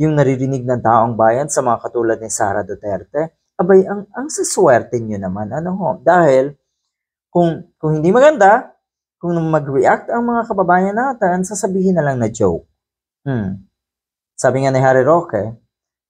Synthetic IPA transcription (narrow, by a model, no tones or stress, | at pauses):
jʊŋnɐɾiɾɪnɪɡ̚nɐŋt̪aːʔoŋbaːjɐnsɐmɐŋakɐt̪uːlɐd̪̚nɪsa̰ːɾɐ̰d̪ot̪ɛɾt̪ɛ | ʔɐbajɐŋʔɐŋsɐswɛɾt̪ɛnjonɐmanɐnoɦod̪aːhɪl | kʊŋkʊŋhɪnd̪imɐɡɐnd̪a | kʊŋnɐmɐɡɹɪʔak̚t̪ɐŋmɐŋakɐbɐbaːjɐnːaːt̪ɛnsaːsɐbiːhɪnːɐlaŋnɐd͡ʒo̰wk̩̚ | saːbɪŋanɪɦaːɾɪɾokɛ